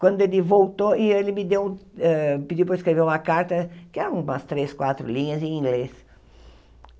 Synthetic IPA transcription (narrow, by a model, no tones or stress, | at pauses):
kwɐ̃nd̪ʊelɪvowt̪oɪelɪmɪd̪ewɛpɪd͡ʒiwp̬ɾɐɪskɾeveɾũmɐkaɾt̪ɐkɪɛɾɐ̃mɐst̪ɾeskwat̪ɾʊ̰lĩɲɐzẽĩŋɡles